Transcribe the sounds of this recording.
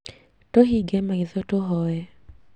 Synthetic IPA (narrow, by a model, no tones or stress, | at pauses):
tɔɦiɡɛmaiðɔtɔɦɔɛ